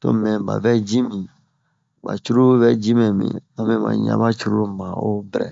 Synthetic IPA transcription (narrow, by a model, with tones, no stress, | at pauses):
to˦mɛ̃˨ba̰˨bɛ˦d͡ʒĩ˦mĩ˨ | ba̰˨t͡ʃu˦ɾu˦bɛ˦d͡ʒĩ˦mɛ̃˨mḭ̃˨ã˦mɛ˦mã̰˨ɲa̰˦ba˦t͡ʃu˦ɾu˦mã˨o˦bɛ˨ɾɛ̰˨